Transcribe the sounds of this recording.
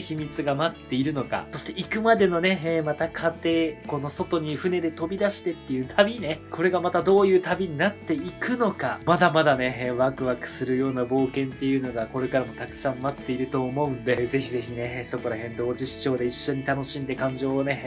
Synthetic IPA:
çimʲit͡sɨɡamat̪ːe̞iɾɯ̟no̞ka̰so̞ɕi̥t̪e̞ikɯ̟mad̪e̞no̞ne̞mat̪akʰat̪e̞ko̞no̞so̞t̪o̞ɲ̟iɸɯ̟ne̞d̪e̞t̪o̞bʲid̪aɕi̥t̪e̞t̪ːejɯ̟t̪ʰabʲine̞kʰo̞ɾe̞ɡamat̪ad̪o̞ːjɯ̟ːt̪abʲiɲ̟inat̪ːe̞ikɯ̟no̞kamad̪amad̪ane̞βakɯ̟βakɯ̟̥sɨɾɯ̟jo̞ːnabo̞ːkẽ̞nt̪e̞jɯ̟no̞ɡako̞ɾe̞kaɾamo̞t̪akɯ̟̥sãmːat̪ːe̞iɾɯ̟t̪o̞ːmo̞ɯ̟̃nd̪e̞ze̞çize̞çine̞so̞ko̞ɾaɦẽ̞nd̪o̞ːd͡ʑiɕi̥t͡ɕo̞ːd̪e̞iɕːo̞ɲ̟it̪ano̞ɕĩnd̪e̞kãɲ̟d͡ʑo̞ːne̞

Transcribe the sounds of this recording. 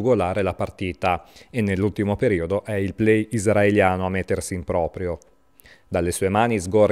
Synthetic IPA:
uɡolaːɾelapart̪iːt̪aenːelːult̪imopeɾiːod̪oʔɛilplɛjizraeljaːnoamːet̪ːersiːmpɾɔːpɾjo | d̪alːesuːemaːnizɡor

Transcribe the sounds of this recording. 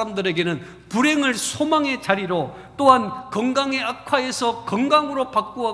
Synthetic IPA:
amdɯɾe̞ɡe̞nɯn | puɾe̞ŋɯɭsʰomaŋe̞t͡ɕaɾiɾo | t͈oɦankʌŋɡaŋe̞akʰwae̞sʰʌkʌŋɡaŋɯɾopak͈̚oa

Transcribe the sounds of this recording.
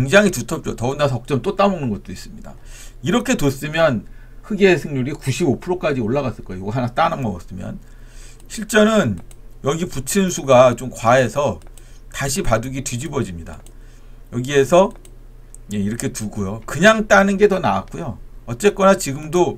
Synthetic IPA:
keŋd͡ʑaŋitutʰʌp̚t͡ɕ͈otʌunas̬ʰʌʌk̚t͡ɕ͈ʌmt͈ot͈amonɯnɡʌt̚t͈ois͈ɯmɲida̰iɾʌkʰe̞tos͈ɯmjʌn | hʰɯɡeːsʰɯŋɲuɾikuɕʰibopʰuɾok͈ad͡ʑioɭːaɣas͈ɯɭk͈ʌjojoɡɦanat͈anaŋmʌɡʌs͈ɯmjʌ̰n | ɕʰiɭt͡ɕ͈ʌnɯnjʌɡiput͡ɕʰɯnsʰuɡat͡ɕomkwae̞sʰʌ | taɕʰipaduɡitid͡ʑibʌd͡ʑimɲida̰ | jʌɡie̞sʰʌ | je̞iɾʌkʰe̞tuɡojokɯɲaŋt͈anɯnɡe̞tʌna̰wak͈ujoʌt͡ɕ͈e̞k͈ʌnat͡ɕiɡɯmdo

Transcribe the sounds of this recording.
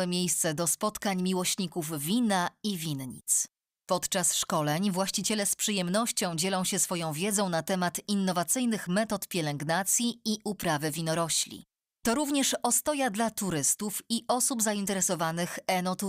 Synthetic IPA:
ɛmʲjejst̪sɛd̪ɔspɔt̪kaɲmʲiwɔɕɲikuvvʲinaivʲinɲḭt̪s | pɔt̪t͡ʂasʂkɔlɛɲvwaɕt͡ɕit͡ɕɛlɛspʂɘjɛmnɔɕt͡ɕɔ̃w̃d͡ʑɛlɔ̃w̃ɕɛsfɔjɔ̃w̃vʲjɛd̪zɔ̃w̃nat̪ɛmat̪inːɔvat̪sɘjnɘxmɛt̪ɔt̪pʲjɛlɛŋɡnat̪sʲjiiʔupɾavɘvʲinɔɾɔɕlʲḭ | t̪ɔɾuvɲɛʂɔst̪ɔjad̪lat̪uɾɘst̪ufiʔɔsubzaint̪ɛɾɛsɔvanɘxɛnɔt̪u

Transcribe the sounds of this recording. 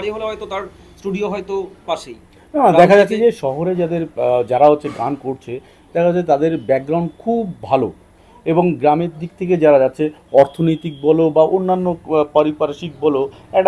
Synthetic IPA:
ɽiɦoleɦɔjt̪ot̪aɾ | sʈuɖioɦɔjt̪opaʃej | nanaɛkʰad͡ʑatːʰed͡ʑeʃɔɦoɾed͡ʑad̪eɾd͡ʑaɾaɦotːɕʰeɡankoɾt͡ɕʰe | d̪ɛkʰaatt͡ɕʰːet̪ad̪eɾbɛk̚ɡɾaw̃ɳɖkʰubːʱalo | eboŋɡɾameɾd̪ik̚t̪ʰek̬ed͡ʑaɾad͡ʑatːɕʰeɔɾt̪ʰonojt̪ik̚bɔlobaʔonːanːopɔɾipaɾʃik̚bɔlo | ɛk̚ʈa

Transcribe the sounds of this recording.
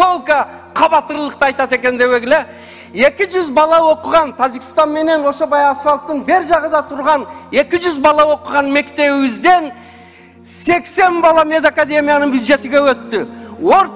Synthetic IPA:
olˠkɑ | qʰɑbɑt̪əɾlˠəqt̪ɑɑjt̪ɑt̪e̞kʲe̞nd̪e̞weɡʲɪlɪ | e̞kʲɪʒʏzbɑlˠɑwo̞qəʁɑnt̪ʰɑʒikʲɪst̪ɑnme̞ne̞nwo̞ʃobɑjɑsfɑlˠt̪ːəɴbeɾʒɑʁɑzɑt̪ʰʊɾʁɑne̞kʲɪʒʏzbɑlˠɑwo̞qəʁɑnme̞kt̪e̞ɪzd̪e̞n | se̞kse̞nbɑlˠɑme̞d̪akad̪e̞mijanəɴbjud̪ʒe̞t̪ɪɡʲe̞wɵt̪ːɪwoɾ

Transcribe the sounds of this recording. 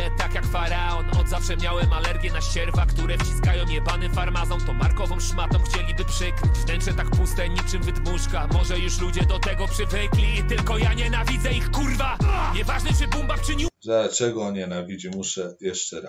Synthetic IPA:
t̪akjakfaɾaɔnɔd̪zafʂɛmʲjawɛmalɛɾɡʲjɛnaɕɛɾvakt̪uɾɛft͡ɕi̥skajɔ̃w̃jɛbanɘfaɾmazɔ̃w̃t̪ɔ̃maɾkɔvɔ̃w̃ʂmat̪ɔ̃w̃xt͡ɕɛlʲibɘpʂɛkvnɛntʂɛt̪akpust̪ɛɲit͡ʂɘmvɘd̪muʂkamɔʐɛjuʂlud͡ʑɛd̪ɔt̪ɛɡɔpʂɘvɛklʲit̪ɘlkɔjaɲɛnavʲizɛixkurvaɲɛvaʐnɛʐɛbumbaxt͡ʂɪɲid̪̥at͡ʂɛɡɔɲɛnavʲid͡ʑimuʂɛjɛʂt͡ʂɛɾa

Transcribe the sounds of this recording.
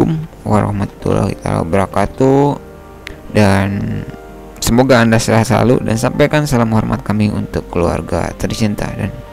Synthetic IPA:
ʊm | waɾa̰hmat̪ːṵla̰hit̪a̰la̰bəɾakat̪u | dan | səmoɡaːndasəlahsəla̰lṵdansampajkansalamhɔrma̰t̪̚kamiunt̪ʊkːəlua̰rɡa̰t̪ərt͡ʃint̪a̰dan

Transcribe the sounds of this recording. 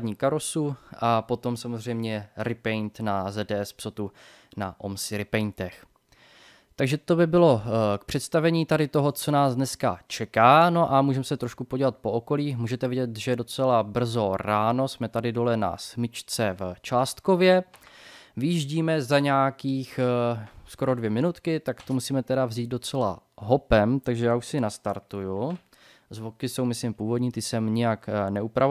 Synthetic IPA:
ɲiːkaɾosuʔapo̞t̪o̞msamozr̝ɛjmɲɛɾɪpɛjnt̪nazɛdɛːɛspsot̪u | na̰ʔomsɪɾɪpɛjnt̪ɛx | t̪aɡʒɛt̪o̞bɪbɪlo̞k̚pr̥ɛt̪st̪avɛɲiːt̪adɪt̪o̞ɦo̞t͡so̞naːzdnɛskat͡ʃɛkaːno̞ʔamuːʒɛmɛsɛt̪ɾoʃkupoɟivat̪̚po̞oko̞liːmuːʒɛt̪ɛvɪɟɛt̪ʒɛdo̞t͡sɛlabr̩zo̞ɾaːno̞smɛt̪adɪdo̞lɛna̰smɪt͡ʃt͡sɛvt͡ʃaːst̪kovjɛ | vɪjiʒɟiːmɛzaɲaakiːx | sko̞ɾo̞dvjɛmɪnut̪kɪt̪akt̪omusiːmɛt̪ɛdavziːd̪̚do̞t͡sɛla̰ɦopɛmt̪aɡʒɛjaːuʃsɪnast̪aɾt̪uju | zvokɪso̞wmɪslɪmpuːvodɲiːt̪ɪsɛmɲɪjaknɛupɾa

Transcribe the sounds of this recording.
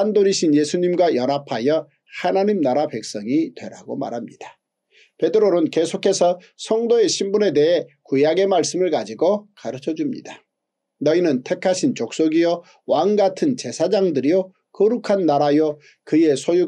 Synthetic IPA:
andoɾiɕʰinjesʰuɲimɡwajʌnɦapʰajʌ | hanaɲimnaɾape̞k̚s͈ʌŋitwe̞ɾa̰ɡo̰ma̰ɾɦhamɲid̥ḁ | pe̞dɯɾoɾɯnke̞sʰokʰe̞sʰʌ | sʰʌŋdoe̞ɕʰimbune̞de̞ɦekujaɡe̞maɭs͈ɯmɯɭkad͡ʑiɡokaɾɯt͡ɕʰʌd͡ʑumɲḭda | nʌinɯntʰe̞kʰaɕʰint͡ɕok̚s͈oɡijo | waŋɡatʰɯnt͡ɕe̞sʰad͡ʑaŋdɯɾijo | kʌɾukʰanːaɾajo | kɯje̞sʰoju

